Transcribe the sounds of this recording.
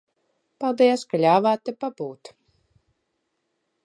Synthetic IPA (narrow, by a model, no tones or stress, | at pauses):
palˠd̪iɛskalʲaːvaːt̪ːɛpabuːt̪